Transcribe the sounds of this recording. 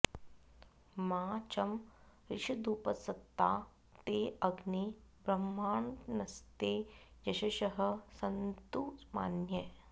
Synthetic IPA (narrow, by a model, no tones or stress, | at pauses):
maːt͡ʃɐm | ɾiʂɐd̪uːpɐsɐt̪ːa̰ː | t̪eːʔɐɡnibɾɐmːaːɳnɐst̪eːjɐʃɐʃɐɦɐ̆sɐnt̪uːsma̰ːnjɐ